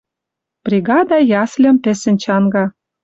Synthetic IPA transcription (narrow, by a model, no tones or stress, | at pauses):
b̥rʲiɡɑd̪ɑjɑslʲə̆mpĕsɘ̆nʲt͡ɕɑnɡɑ